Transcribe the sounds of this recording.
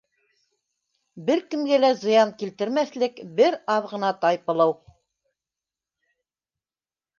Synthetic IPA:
bɘɾkɘ̆mɡælæzɤ̆jɑŋkilt̪ɘ̆ɾmæθlɘkbɘɾɑðʁɤ̆nɑt̪ɑjpɤ̆lˠɤw

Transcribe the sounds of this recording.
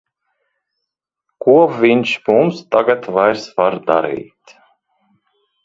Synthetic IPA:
kuɔvʲiɲʲt͡ʃmumst̪aɡat̪vajɾsvaɾd̪a̰ɾḭːt̪

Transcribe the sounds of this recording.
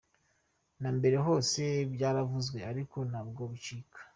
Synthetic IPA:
nambe̞ɾe̞ɦo̞ːse̞bɟaːɾavuzɡwe̞aɾiko̞nabɡoβut͡ʃiːkʰḁ

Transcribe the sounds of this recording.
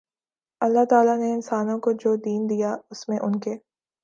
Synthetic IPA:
ɐlːaɦt̪aːlaneɪnsaːnõkod͡ʒoːd̪iːnd̪ijaʊsmẽʔʊnkeː

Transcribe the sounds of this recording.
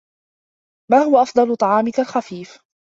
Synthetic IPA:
maːhʊwaʔɑfd̪ˤɑlʊt̪ˤɑʕɑːmɪkalxafiːf

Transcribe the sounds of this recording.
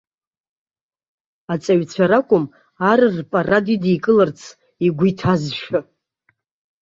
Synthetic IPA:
at͡sʼaɥt͡ɕʷʰaɾakʷʼʊm | arɨrpʼaradidijkʼɨlɨrt͡sʰ | iɡʷitʰazʃᶣa

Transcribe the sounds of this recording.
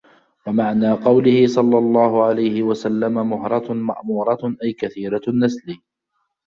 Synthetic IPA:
wamaʕnaːqɑwlɪhɪsˤɑlːɑlˤːɑːhʊʕalajhɪwasalːamamʊhɾˤɑtma̰ʔmuːɾˤɑʔajkaθiːɾanːasliː

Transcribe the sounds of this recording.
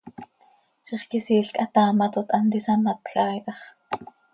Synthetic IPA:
ʃiχkisiːɬkʼɑt̪ɑːmɑt̪ot̪ʔɑnt̪isɑmɑt̪xɑːjʔɑχ

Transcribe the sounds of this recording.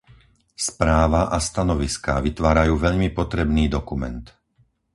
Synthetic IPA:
spɾaːʋaʔast̪anɔʋiskaʋit̪ʋaːɾajuːʋɛʎmipɔt̪ɾɛbniːd̪ɔkumɛ̰nt̪

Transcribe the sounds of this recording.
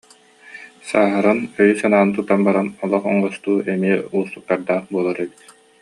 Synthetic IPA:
saːɦaɾanœjysanaːnɯt̪ut̪ːanbaɾanɔlˠɔχɔŋɔst̪uːɛmiɛust̪uk̚t̪ːaɾd̪aːχbuɔlˠaɾɛbit̪

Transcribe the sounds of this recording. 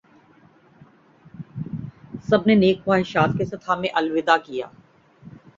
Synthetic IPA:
sɐbneneːkwaːɪʃaːt̪kesɐt̪ʰaːmẽʔɐlʋɪd̪akija̰ː

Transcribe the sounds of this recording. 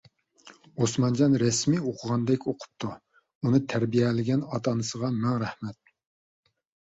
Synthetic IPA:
osmɑnd͡ʒɑnɾɛsmioqʰʊʁɑnd̪ɛkʲoqʰʊ̥p̚t̪ʰu | unɨt̪ʰæɾbijɛlɪɡʲɛnɑt̪ʰɑnɨsəʁɑmæŋɾɛhmɛt̪̚

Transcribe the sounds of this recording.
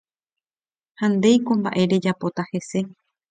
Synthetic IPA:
hãnd̪e̞jkomba̰ʔe̞ɾe̞d͡ʒapo̞t̪ahe̞se̞

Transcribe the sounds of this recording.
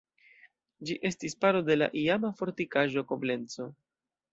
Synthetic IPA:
d͡ʒiʔe̞stispaɾo̞de̞la̰ʔiamafo̞ɾtikaʒo̞ko̞ble̞nt͡so̞

